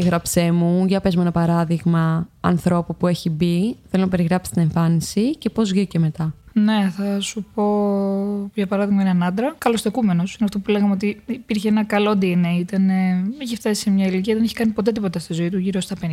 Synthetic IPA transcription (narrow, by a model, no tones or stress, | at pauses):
ɣɾɐpse̞muʝɐpezmenɐpɐɾɐðiɣmɐɐ̰nθɾo̞pupue̞çibiθelonɐpe̞ɾiɣɾɐpsi̥st̪ine̞ɱfɐnisice̞po̞zvʝioce̞me̞t̪ɐne̞θɐsupo̞ | pçɐpɐɾɐðiɣmɐineɐnɐnd̪ɾɐkɐlo̞st̪ekume̞no̞sineɐft̪o̞pule̞ɣɐmeo̞t̪iipiɾçeenɐkɐlo̞d̪ineit̪ɐneeçift̪ɐsi̥semɲɐiliciɐðeeçikɐnipo̞t̪e̞t̪ipo̞t̪ɐst̪izo̞it̪uʝiɾo̞st̪ɐpen